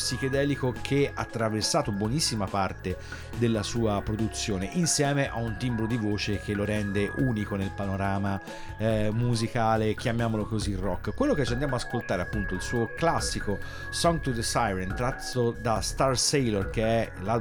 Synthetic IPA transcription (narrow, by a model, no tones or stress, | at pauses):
psiked̪ɛːlikokʰeat̪ːɾaversaːt̪obwonisːimapart̪e | d̪elːasuːapɾod̪ut̪sːjoːneʔinsjɛːmeʔaunt̪imbɾod̪ivoːt͡ʃek̟elːoɾɛnd̪eʔuːnikonelpanoɾaːma | muzikaːlek̟jamjaːmolokozirɔkːkːwelːoket͡ʃːiand̪jamoaaskolt̪aːɾeapːunt̪oilsuːoklasːiko | sɔŋɡt̪ud̪esajɾent̪ɾat̪ːod̪ast̪arsejlorkeɛla